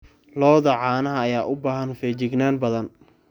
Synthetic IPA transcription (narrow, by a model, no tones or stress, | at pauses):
lɔːðɐʕɑːnɐɦɐːjaːʔʊbaːɦɐnfɛːt͡ʃɪɡnaːnbɐðɐn